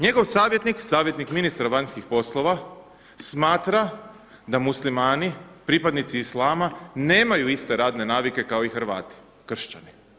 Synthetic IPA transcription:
ɲe̞ɡo̞ʋsaːʋje̞t̪niksaːʋje̞t̪nikminist̪ɾaʋaɲskixpo̞slˠo̞ʋa | smaːt̪ɾa | d̪amuslimaːnipɾipad̪nit̪siːslˠaːmane̞ːmajuist̪e̞ɾaːd̪ne̞naːʋike̞kao̞ixrɾʋa̰ːt̪i̥ | kr̩ʃt͡ɕa̰ni

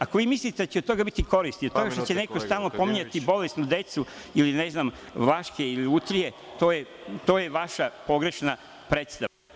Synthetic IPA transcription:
ako̞ʋiːmislit̪ed̪at͡ɕed̪̚t̪o̞ɡabit̪iko̞ɾist̪iod̪t̪o̞ɡaʃt̪ot͡ɕene̞kost̪aːlˠno̞po̞miɲat̪ibo̞lesnud̪e̞t̪su | iline̞znam | laʃkeiliut̪ɾije̞ | t̪oːjet̪o̞ːjeʋaʃapo̞ɡɾe̞ʃna | pɾet̪st̪aa

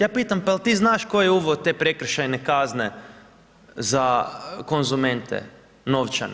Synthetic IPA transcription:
jaːpiːt̪ampalt̪iːznaːʃkojeuʋot̪e̞ːpɾe̞kɾ̩ʃajnekazne | zako̞nzume̞nt̪ʰḛ | no̞ʋt͡ʃa̰n

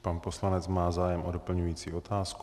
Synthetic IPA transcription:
panposlanɛt͡smaːzaːjɛmʔodo̞pl̩ɲujiːt͡siːo̞t̪aːsk

